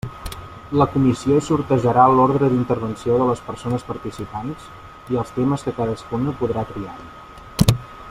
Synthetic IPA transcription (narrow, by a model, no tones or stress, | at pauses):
ləkumisiosuɾt̪əʒəɾalɔɾðɾəðint̪əɾβənsioðələspərsonəspəɾt̪isipans | iəlˠst̪eməskəkaðəskunəpuðɾat̪ɾiaɾ